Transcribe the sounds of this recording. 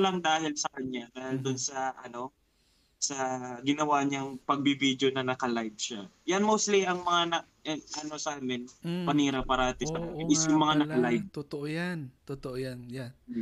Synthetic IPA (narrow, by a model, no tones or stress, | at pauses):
lɐŋd̪aːhɪlsɐkɐɲːad̪aːhɪld̪ʊnsɐʔɐ̰no̞ | sɐɡɪnɐwaɲɐŋpɐɡ̚bibid̪jonɐnɐkɐlajd̪̚ʃajanmowst̪liɐŋmɐŋanɐ | ʔɐno̞sɐʔaːmɪnpɐniːɾɐpaɾɐhɐt̪ɪsɐɐɪɪsjʊŋmɐŋanɐkɐlajd̪̚t̪ot̪oʔojant̪ot̪oʔojanjan